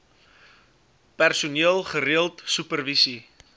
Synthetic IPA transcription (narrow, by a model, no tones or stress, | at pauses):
pærsuniəlˠχəɾiəlˠtsʉpərvisi